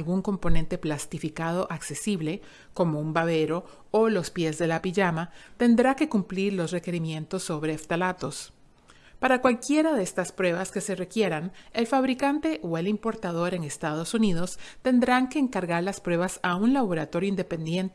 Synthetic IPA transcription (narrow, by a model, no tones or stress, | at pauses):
lɣuŋko̞mpo̞ne̞nt̪e̞plast̪ifikað̞o̞ʔakse̞siβle̞ | ko̞mo̞umbaβe̞ɾo̞ | olo̞spje̞zðe̞lapiʝamat̪e̞nd̪ɾake̞kumpliɾlo̞sre̞ke̞ɾimjẽ̞nt̪o̞sːo̞βɾeːft̪alat̪o̞s | paɾakwalkje̞ɾaðeest̪aspɾwe̞βaske̞se̞re̞kje̞ɾane̞lfaβɾikant̪e̞ʔoe̞limpo̞ɾt̪aðo̞ɾe̞ŋe̞st̪að̞o̞suniðo̞st̪e̞nd̪ɾaŋke̞ːŋkaɾɣaɾlaspɾwe̞βasaunlaβo̞ɾat̪o̞ɾjoind̪e̞pe̞nd̪je̞nt̪